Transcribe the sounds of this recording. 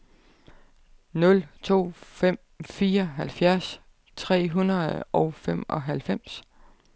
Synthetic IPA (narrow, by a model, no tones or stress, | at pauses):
nɔ̽lt͡sʰo̝̰ːfem̰ | fiːɐɦælfjæɐs | t͡sʰʁɛ̰ːɦunɐð̩ˠɒ̽ʊfemɒ̽ɦælfem̰s